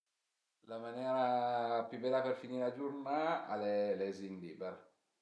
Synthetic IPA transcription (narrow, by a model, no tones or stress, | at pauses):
lamanjɛːɾapibɛlaperfiniːɾead͡ʒurnaa̰lelezind̪iːbɛɾ